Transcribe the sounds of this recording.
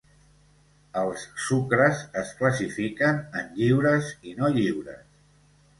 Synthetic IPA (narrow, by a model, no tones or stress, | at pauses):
əlˠsːukɾəzəskləsifikənənʎiwɾəzinoʎiwɾə̰s